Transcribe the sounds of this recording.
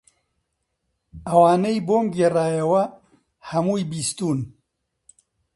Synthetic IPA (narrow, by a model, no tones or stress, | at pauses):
ɐwaːnejboːmɡeːraːjɐwɐ | hɐmuːjbiːst̪uːn